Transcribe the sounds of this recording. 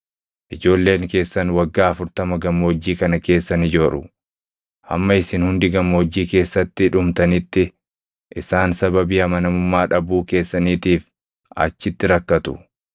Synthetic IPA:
ʔɪd͡ʒo̞ːlːe̞ːŋke̞ːsːɐnwɐɡːaːɐfʊɾt̪ɐmɐɡɐmoːd͡ʒːiːkɐnɐke̞ːsːɐnɪd͡ʒoːᶑʊ | ʔɐ̰mːɐɪsɪnhʊnd̪ɪɡɐmoːd͡ʒːiːke̞ːsːɐt̪ːɪᶑʊmt̪ɐnɪt̪ːɪ | ʔɪsaːnsɐbɐbiːɐmɐnɐmʊmːaːᶑɐbuːke̞ːsːɐniːt̪iːf | ɐ̰t͡ʃːɪt̪ːɪɾɐkːɐt̪ʊ̰

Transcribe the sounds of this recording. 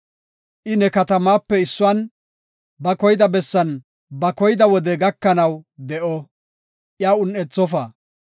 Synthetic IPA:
ʔɪnɛkɐt̪ɐmaːpːɛɪsːʊwɐn | bɐkɔjd̪ɐbɛsːɐn | bɐkɔjɪd̪ɐwɔd̪ɛɡɐkːɐnɐwd̪ɛʔɔ | ʔɪjaːʊnːɛt͡sːɔfɐ

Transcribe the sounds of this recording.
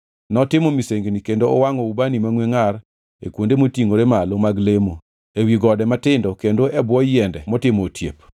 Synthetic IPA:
nɔtɪmɔmiseŋɡnikendoɔwaŋɔubanimaŋweŋar | ḛkwondemotiŋoɾemalomaɡlemo | ewiɡɔdɛmatɪndɔkendoʔɛbwɔjɛndɛmɔtɪmotʰjḛp

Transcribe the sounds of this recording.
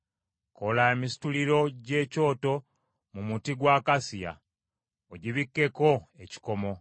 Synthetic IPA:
ko̞laemisi̥tuliɾo̞ɟe̞ːco̞ːto̞ | mumutiɡwaːkasija̰ | oɟiβikːe̞ko̞e̞ci̥ko̞mo̞

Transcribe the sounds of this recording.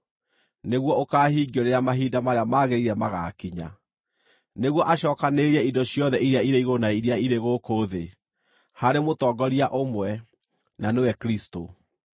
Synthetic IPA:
neɣwɔokaːhiːɡiɔɾeɾeamaɦiːdamaɾeamaːɣeɾiɾɛmaɣa̰kiɲa̰ | neɣwɔʔaɕɔːkaneɾiɛidɔɕjɔðɛʔiɾiaiɾeiɣonaiɾiaiɾeɣokoːðe | haɾemotɔːɡɔɾiaʔomwɛ | nanewɛkɾisto

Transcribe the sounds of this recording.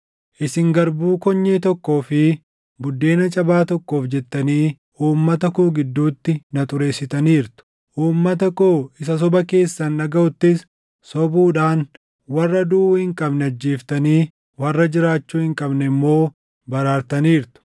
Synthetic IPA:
ʔɪsɪŋɡɐɾbuːkɔɲːeːt̪ɔkːo̞ːfɪ | bʊd̪ːeːnɐt͡ʃʼɐbaːt̪ɔkːo̞ːfd͡ʒɛt̪ːɐniː | uːmːɐt̪ɐkoːɡɪd̪ːuːt̪ːɪnɐt̪ʼʊɾe̞ːsɪt̪ɐniːɾt̪ʊ̥ | ʔuːmːɐt̪ɐkoːɪs̬ɐs̬ɔbɐke̞ːsːɐnːɐɡɐʊt̪ːɪs | sɔbuːᶑaːn | wɐrːɐd̪uːhɪŋkʼɐbnɛɐd͡ʒːeːft̪ɐniː | wɐrːɐd͡ʒɪɾaːt͡ʃːuːhɪŋkʼɐbnɛɪmːo̞ː | bɐɾaːɾt̪ɐniːɾt̪ʊ̥

